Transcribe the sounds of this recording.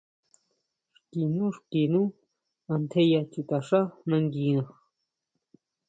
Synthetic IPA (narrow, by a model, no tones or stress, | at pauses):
ʂkinuʂkinu | ant̪ʰejat͡ʃut̪aʂaχnaŋɡinɑχ